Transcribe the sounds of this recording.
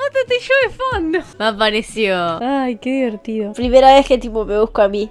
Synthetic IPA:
at̪ot̪iʃoefanːomapːaɾesjoajked̪iβeɾt̪iopɾimeɾaesket̪ipomeuhkoami

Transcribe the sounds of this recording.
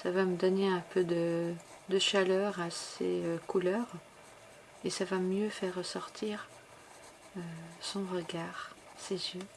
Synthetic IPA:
savaməd̪ɔneɛ̃pʰød̪ə | d̪əʃalœʁasḛøkʰulœːʁ | esavamjøfɛʁːəsɔʁt̪ʰiːʁ | øsɔ̃ʁəɡaːʁ | sezjø

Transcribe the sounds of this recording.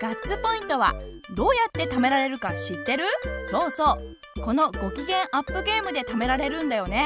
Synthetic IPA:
ɡ̥att͡sɨpo̞ĩnt̪o̞βa̰d̪o̞ːjat̪ːe̞t̪ame̞ɾaɾe̞ɾɯ̟kaɕit̪ːe̞ɾɯ̟so̞ːso̞ː | ko̞no̞ɡo̞kʲiɡẽ̞ɰ̃ʔapːɯ̟ɡe̞ːmɯ̟d̪e̞t̪ame̞ɾaɾe̞ɾɯ̟̃nd̪ajo̞ne̞

